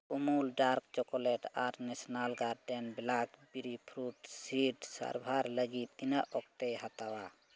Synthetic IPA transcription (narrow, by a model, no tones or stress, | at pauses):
umulɖaɾkt͡ʃɔkɔlɛʈaɾnɛsnalɡaɾɖɛnbɛlakbiɾipʰɾuʈsiʈsa̰ɾbʱaɾləɡit̪inaʔɔk̚t̪ɛhat̪awa